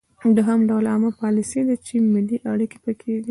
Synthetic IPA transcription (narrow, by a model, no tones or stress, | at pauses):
d̪oɦəmɖawlɑməpɑlised̪at͡ʃemɪlːiʔaɽike̥pəkʰed̪i